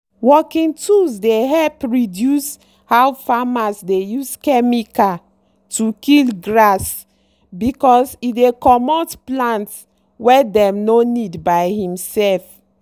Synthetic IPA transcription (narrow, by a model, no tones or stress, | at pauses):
wɔkĩŋtusdeɦɛlpɹidjus | hawfamasdejuskɛmika | tukilɡɹas | bikɔsidekɔmɔtplãnts | wɛdɛ̃mnonidbajhĩmsɛlf